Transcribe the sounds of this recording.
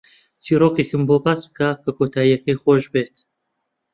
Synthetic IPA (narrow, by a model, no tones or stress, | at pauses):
t͡sʰiːɾoːkexɨmboːbaːsbɨkakʰɐkʰoːt̪ʰaːijɐkexoːʒbeːt̪